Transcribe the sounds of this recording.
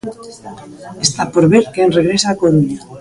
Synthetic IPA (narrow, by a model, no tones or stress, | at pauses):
est̪apoɾβeɾkenreɣɾesaːkoɾuɲa